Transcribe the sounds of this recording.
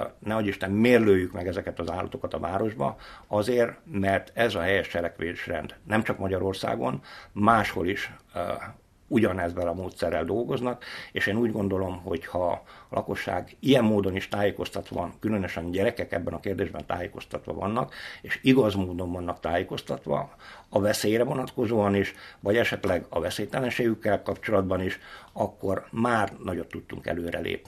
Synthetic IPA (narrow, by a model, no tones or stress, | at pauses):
nɛoɟiʃt̪ɛmːeːrløːjykmɛɡɛzɛkɛt̪ɒzaːlːɒ̰t̪o̞kɒt̪ɒvaːɾo̞ʒbɒ̰ɒzeːrmɛrt̪ɛzɒɦɛjɛʃt͡ʃɛlɛkʋeːʃrɛ̰nd̪nɛmt͡ʃɒkmɒɟɒɾo̞rsa̰ːɡo̞̰nmaːʃho̞̰liʃ | uɟɒnɛzːɛlɒmoːt̪sɛrːɛld̪o̞lɡo̞znɒkeːʃeːnuːɟɡo̞nd̪o̞lo̞mɦo̞̰chɒlʔɒ̰ko̞ʃːa̰ːɡijɛmːoːd̪o̞niʃt̪aːjeːko̞st̪ɒt̪ʋɒ̰kylø̞nøʃɛnɟɛɾɛkɛkɛ̰bːɛnɒkeːrd̪eːʒbɛnt̪a̰ːjeːko̞st̪ɒt̪ʋɒ̰vɒ̰nːɒkeːʃiɡɒzmoːd̪o̞ɱvɒnːɒkt̪aːjeːko̞st̪ɒt̪ʋɒ̰ | ɒvɛseːjɾɛvo̞nɒt̪ko̞zoːɒniʃʋɒɟɛʃɛt̪lɛɡɒvɛseːjt̪ɛlɛnʃeːjykːɛlkɒpt͡ʃo̞lɒd̪bɒniʃɒkːo̞rmaːrnɒɟo̞t̪ːut̪ːuŋkɛ̰løːɾɛ̰lḛːpni